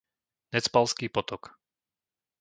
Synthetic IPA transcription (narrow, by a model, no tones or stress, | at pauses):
nɛt͡spalskiːpɔt̪ɔk